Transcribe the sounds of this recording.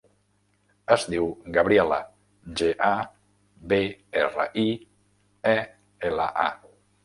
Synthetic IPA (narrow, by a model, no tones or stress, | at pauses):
əzdiwɡəβɾiɛlə̰ | ʒeʔa | beerə̰ʔi | ɛ | elə̰ʔa̰